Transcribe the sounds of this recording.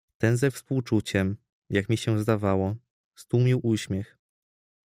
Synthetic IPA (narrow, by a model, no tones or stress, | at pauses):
t̪ɛnzɛfspuwt͡ʂut͡ɕɛm | jakmʲiɕɛzd̪avawɔ | st̪umʲiwʔuɕmʲjɛx